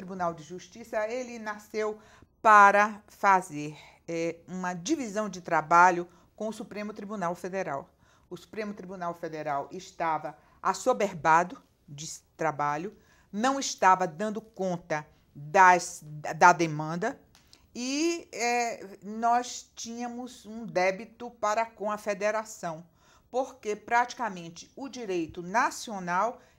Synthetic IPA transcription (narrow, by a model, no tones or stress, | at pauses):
t̪ɾibunawd͡ʒɪʒuʃt͡ʃisɐelɪnasew | paɾɐ | fazeɾ | ɛũmɐd͡ʒivizɐ̃w̃d͡ʒɪt̪ɾabaʎʊ | kõʊsupɾẽmʊt̪ɾibunawfed̪eɾa̰w | ʊsu̥pɾẽmʊt̪ɾibunawfed̪eɾawɪʃt̪avɐ | asobeɾbad̪ʊ | d͡ʒɪt̪ɾabaʎʊ | nɐ̃w̃ɪst̪avɐd̪ɐ̃nd̪ʊkõnt̪ɐ | d̪ɐsd̪ɐd̪emɐ̃nd̪ɐ | iɛnɔst͡ʃĩɲɐ̃mʊzũd̪ɛbit̪ʊpaɾɐkõɐfed̪eɾasɐ̃w̃ | poɾkepɾat͡ʃi̥kamẽnt͡ʃɪ̥ʊd͡ʒiɾejt̪ʊnasionaw